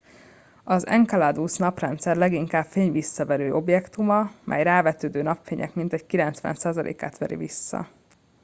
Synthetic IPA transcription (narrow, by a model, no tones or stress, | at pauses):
ɒzɛ̰ŋkɒlad̪usnɒprɛnt̪sɛrlɛɡiŋkaːbfeːɲvisːɒvɛɾøːʔo̞bjɛkt̪umɒmʔɛ̰jraːvɛt̪øːd̪øːnɒpfeːɲɛ̰kmint̪ɛɟkilɛnt̪sʋɛ̰nsaːzɒlḛːka̰ːt̪ʋɛɾḭvisːɒ̰